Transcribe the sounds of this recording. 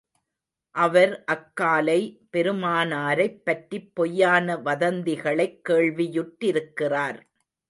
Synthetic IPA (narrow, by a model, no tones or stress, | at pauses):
ʔɐʋɐɾʔɐkːaːlɐɪpɛɾɯmaːnaːɾɐɪpːɐʈɾipːɔjːaːnɐʋɐðɐnd̪ɪɣɐɭɐɪkːeːɭʋɪjʊʈːɪɾɯkːɪraːɾ